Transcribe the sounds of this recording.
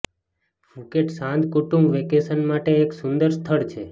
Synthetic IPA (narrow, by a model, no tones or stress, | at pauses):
bʱukeʈsãnd̪kuʈũmbʋekesənmaʈeːksʊnd̪əɾst̪ʰəɭt͡ʃʰe